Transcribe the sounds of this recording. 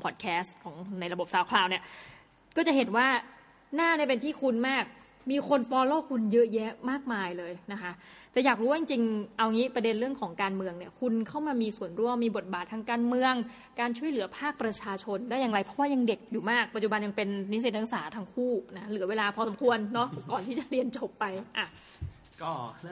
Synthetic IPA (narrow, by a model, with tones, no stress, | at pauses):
pʰɔː˨˩kʰɛː˦˥st̪kʰɔː˩˦ŋna˧jɾa˧bo˨˩p̚saː˨˩˦wkʰlaː˧wni˥˩ə | kɔː˥˩t͡ɕa˨˩ɦe˨˩nwaː˥˩ | naː˥˩daː˥˩jpe˧nt̪ʰiː˥˩kʰu˧nmaː˥˩k̚ | miː˧kʰo˧npɔː˧loː˥˩kʰu˧njɤ˦˥je˦˥maː˥˩k̚maː˧jlɤː˧jna˦˥kʰa˦˥ʔt̪ɛː˨˩jaː˨˩k̚ɾuː˦˥waː˥t͡ɕi˧ŋt͡ɕi˧ŋʔa˧wŋiː˦˥pɾa˧de˧nɾɯ˥˩əŋkʰɔː˩˦ŋkaː˧nmɯ˧əŋni˦˥˩əkʰu˧nkʰa˥˩wmaː˧miː˧su˨˩ənɾu˧əmːiː˧bo˨˩t̪̚baː˨˩t̪ʰːaː˧ŋkaː˧nmɯ˧əŋ | kaː˧nt͡ɕʰu˥˩əjlɯ˨˩˦ɐpʰaː˥˩k̚pɾa˧t͡ɕʰaː˧t͡ɕʰo˧ndaː˥˩jaː˨˩ɾa˧jpʰɾɔ˦˥waː˥˩ja˧ŋde˨˩k̚juː˨˩maː˥˩k̚pa˨˩t̪̚t͡ɕu˨˩ba˧nja˧ŋpe˧nːi˦˥se˨˩t̪̚ːa˦˧˥saː˩˦t̪ʰa˧ŋkʰuː˥˩na˦˥lɯ˩˦weː˧laː˧pʰɔː˧so˩˦mkʰu˧ənːɔ˦˥kɔː˨˩nt̪ʰiː˥˩t͡ɕa˨˩ɾi˧ənt͡ɕo˨˩pːa˧jʔa˨˩˧